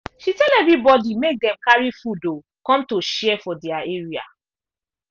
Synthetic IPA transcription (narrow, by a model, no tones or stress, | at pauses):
ʃitɛlɛvɹibɔdimek̚dɛ̃mkaɹifudo | kɔ̃mtoʃɛfɔdɛaeɹia̰